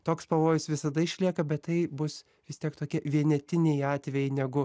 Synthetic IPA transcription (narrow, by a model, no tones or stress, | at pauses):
t̪oːkspɐʋoːjʊsʋʲɪsɐd̪ɐɪʃʲlʲiɛkɐbʲɛt̪ːɐɪbʊs | ʋʲɪst̪ʲiɛkt̪oːkʲiɛʋʲiɛnʲɛt̪ʲɪnʲɛjɑːt̪ʲʋʲɛjɛɪnʲɛɡʊ